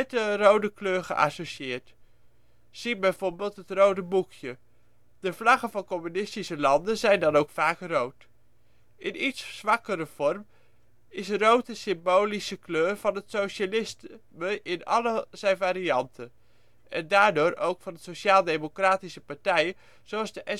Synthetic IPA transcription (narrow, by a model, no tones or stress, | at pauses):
ɛtərowdəkløːɹχə̰ʔɑ̰soʃɪːɹt | z̥ibɛjvoːɹbeːlˠtɦətrowdəbukʰjə | d̥əvlɑχəvɑnkɔmynɪstisəlɑndənzɛjndɑnowkfaːkrowt | ɪnitszʋɑkəɾəv̥ɔrm | ɪsərowtəsɪmbowlisəkløːrvɑnɦətsowʃalɪstməʔɪnɑ̰ləz̥ɛjnvaːɾiɑntən | ʔɛ̰ndaːɹdoːɾowkfɑnətsoʃaːlˠdejmokraːtisəpɑɹtɛj | z̥owɑlˠzdəʔɛ